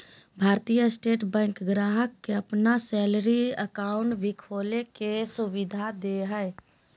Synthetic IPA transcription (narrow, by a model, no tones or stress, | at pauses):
bʱaːɾt̪ijəsʈeːʈbɛ̃ːŋkɡɾaːɦəkːeəpnasɛːləɾiəkaːʊɳʈbɪkʰoːlekesʊʋɪd̪ʱad̪eɦɛ